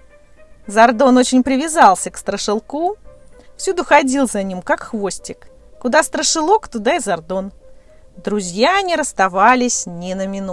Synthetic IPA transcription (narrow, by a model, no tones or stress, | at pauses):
zɐrd̪o̞no̞t͡ɕɪnʲpɾʲɪvʲɪzɑlˠsʲəkst̪ɾəʂɨlˠkufsʲud̪ʊxɐdʲilˠzɐnʲimkakxvo̞sʲtʲɪk | kʊd̪ast̪ɾəʂɨlˠo̞kt̪ʊd̪aɪzɐrd̪o̞n | d̪ɾʊzʲjaɐnʲiɾəst̪ɐvalʲɪsʲnʲɪnəmʲɪnu